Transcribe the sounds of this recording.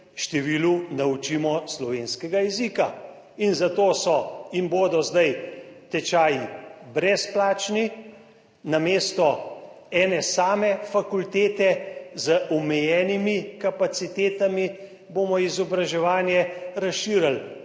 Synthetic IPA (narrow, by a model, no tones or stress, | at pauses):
ʃt̪ɛʋiːlunaut͡ʃiːmɔslɔʋeːnskɛɡajɛzika | inzat̪oːsɔimboːd̪ɔzd̪ajt̪ɛt͡ʃaːjibɾɛsplaːt͡ʃni | nameːst̪ɔ | ɛːnɛsaːmɛfakult̪eːt̪ɛzəʔɔmɛjɛːnimikapat̪sit̪eːt̪ami | boːmɔizɔbɾaʒɛʋaːnjɛɾasʃiːɾal